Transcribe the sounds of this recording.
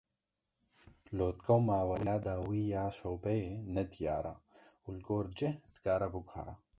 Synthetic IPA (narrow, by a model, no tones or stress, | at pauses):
loːt̪kowmaːwɐaːd̪aːwiːjaːʃowbɐjnɐd̪ijaːɾa̰ulɡoːɾd͡ʑet̪ɡaːɾɐbubʱa̰ːɾa̰